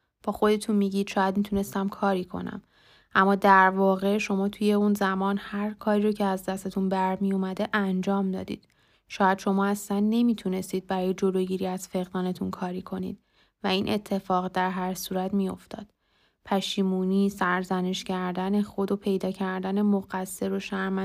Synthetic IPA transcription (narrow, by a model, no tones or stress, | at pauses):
b̥ɒːxo̞d̪e̞t̪ʰunmiːɟiːd̪̥ʃɒːjæd̪mit̪une̞st̪æmkʰɒːɾiːkʰo̞̰næ̰m | ʔæmːɒːd̪æɾvɒːɣe̞ʃo̞mɒːt̪ʰuje̞unzæmɒːnhæɾkʰɒːɾiːɾocʰeæzd̪æst̪et̪ʰunbæɾmijomæd̪e̞ʔænd͡ʒɒːmd̪ɒ̰ːd̪ḭːd̪̥ | ʃɒːjæd̪̥ʃo̞mɒːæslænːe̞miːt̪ʰune̞st̪iːd̪̚bæɾɒːje̞d͡ʒo̞loɟiɾiːæz̥fe̞ɣd̪ɒːne̞t̪ʰunkʰɒːɾiːkʰo̞nḭːd̪̥ | væiːnʔet̪ʰːe̞fɒːɣd̪æɾɦæɾsuːɾæt̪mijo̞ft̪ɒ̰ːd̪̥ | pʰæʃiːmuːniːsæɾzæne̞ʃcæɾd̪æne̞xo̞d̪o̞pʰe̞jd̪ɒːcʰæɾd̪æne̞moɣæsːe̞ɾoʃæɾmæ